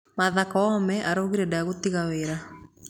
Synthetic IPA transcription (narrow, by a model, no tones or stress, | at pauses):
maðakaɔmɛʔaɾoɣiɾɛdaaɣotiɣaweɾa